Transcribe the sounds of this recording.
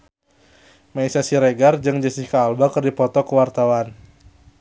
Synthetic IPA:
maisasiɾeɡard͡ʒɨŋd͡ʒəsikaːlbakərdipɔt̪ɔkəwart̪awan

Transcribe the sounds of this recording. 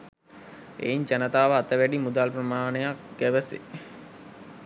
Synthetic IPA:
ḛiɲd͡ʒanət̪aːʋəat̪əʋæɖimud̪aːlpɾəmaːnejak̚ɡ̥æʋəsḛ

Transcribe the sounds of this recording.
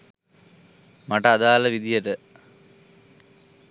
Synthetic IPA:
mɐʈːɐɐðaːlɐʋid̪ijɐʈːɨ

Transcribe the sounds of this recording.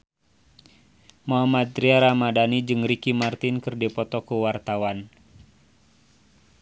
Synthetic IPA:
moɦamat̪̚ːɾiaɾamadanid͡ʒɨŋrikimart̪ɪnkɨrdipɔt̪ɔkuwart̪awan

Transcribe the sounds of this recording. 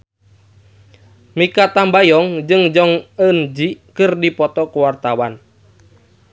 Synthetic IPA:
mikat̪ambajɔŋd͡ʒɨŋd͡ʒɔŋənd͡ʒikɨrdipɔt̪ɔkuwart̪awan

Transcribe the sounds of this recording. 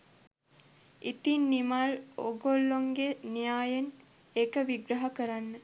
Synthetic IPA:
it̪inːimaloɡolːoŋɡenijaːjen | ekəʋiɡɾəɦakəɾanːə

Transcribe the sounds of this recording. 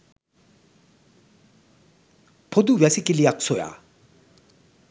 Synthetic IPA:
pʰod̪uwɛsʰikilijakt͡sʰoja̰

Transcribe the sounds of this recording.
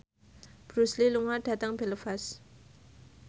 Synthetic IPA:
b̥ɾusliluŋarɖ̥a̤t̪aŋb̥eləfas

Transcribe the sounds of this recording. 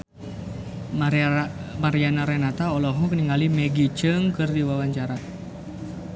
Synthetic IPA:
maɾianaɾɛnat̪aɔlɔɦɔkəniŋɡalimɛɡit͡ʃɨŋkɨrdiwawaɲt͡ʃaɾa

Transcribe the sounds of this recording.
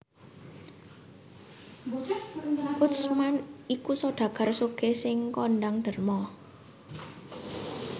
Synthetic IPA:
kʊt̪smanikusɔɖ̪̥ä̤ɡ̥a̤rsoɡ̥esɪŋkɔnɖaŋɖ̪̥ə̤rmɔ

